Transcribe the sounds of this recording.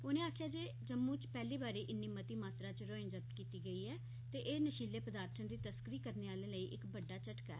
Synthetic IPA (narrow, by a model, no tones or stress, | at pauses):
oːnẽːaːkʰjaːd͡ʒeː | d͡ʒəmːũːt͡ʃpɛːliːbaːɾeːʔɪnːiːmət̪iːmaːt̪ɾaːt͡ʃɾoːɪ̃ŋd͡ʒəp̚t̪kiːt̪iːɡəiːɛː | t̪eːʔeːnəʃiːleːpəd̪aːɾt̪ʰənd̪iːt̪əskəɾiːkəɾneːaːlẽːləiːʔɪkbəɖːaːt͡ʃəʈka̰ɛ̰ː